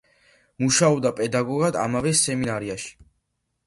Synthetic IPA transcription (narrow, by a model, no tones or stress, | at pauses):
muʃaɔbd̪apʼɛd̪aɡɔɡad̪a̰mavɛsɛminaɾiaʃi̥